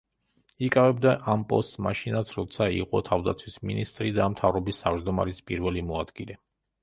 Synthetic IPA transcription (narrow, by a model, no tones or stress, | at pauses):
ikʼavɛbd̪aʔampʼɔst̪sma̰ʃinat̪sʰɾɔt̪sʰaḭqʼɔt̪ʰavd̪a̰t̪sʰwisminist̪ʼɾid̪amt̪ʰavɾɔbist̪ʰavd͡ʒd̪ɔma̰ɾispʼiɾvɛlimɔad̪̥ɡilɛ